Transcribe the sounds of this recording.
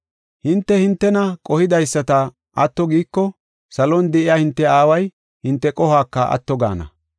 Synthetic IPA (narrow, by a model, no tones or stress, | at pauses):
hɪnt̪ːɛhɪnt̪ːɛnɐkʼɔhɪd̪ɐjsːɐt̪ɐ | ʔɐt̪ːɔɡiːkːɔ | sɐlɔnd̪ɛʔɪjaːhɪnt̪ːɛaːwɐj | hɪnt̪ːɛkʼɔhaːkːɐɐ̰t̪ːɔɡa̰ːnɐ̰